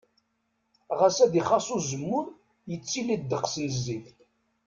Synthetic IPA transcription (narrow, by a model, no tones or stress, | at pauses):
ʁæsæðiχɑsˤuzəmːʊɾ | jət͡sːilid̪̚d̪əqsizːiθ